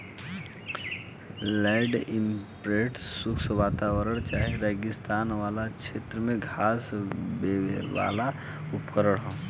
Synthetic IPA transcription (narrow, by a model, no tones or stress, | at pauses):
laɪɖɪ̃mpɾeʈsʊksʋaːt̪aːʋəɾəɽ̃t͡ʃaːɦeɾɛɡɪst̪aːnʋaːlakʃʰeːt̪ɾəmẽɡʱaːsbeʋa̰ːla | ʊpkəɾəɽɦõː